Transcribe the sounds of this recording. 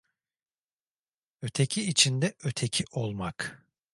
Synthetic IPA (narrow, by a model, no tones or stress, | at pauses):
ø̞t̪ʰecʰiːt͡ʃʰind̪ɛʔø̞t̪ʰe̞cʰiʔo̞lˠmak